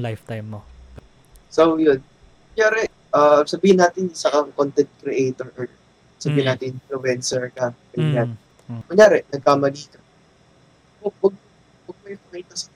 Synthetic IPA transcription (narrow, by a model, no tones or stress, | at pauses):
lajft̪ajmːop | sowjʊn | mɐŋjaːɾɛ | ʔasɐbiːhɪnːaːt̪ɪnsɐkɐŋkont̪ɛnt̪̚kɾɛʔejt̪oɹʔɐɹ | sɐbiːhɪnaːt̪ɪnpɾowɛnsɛɹkɐɡɐnja | mɐŋjaːɾɛnɐɡ̚kamɐliːk̪ɐ | powɐɡ̚ | wɐɡ̚mɐjɐkɐiːt̪ɐsɐ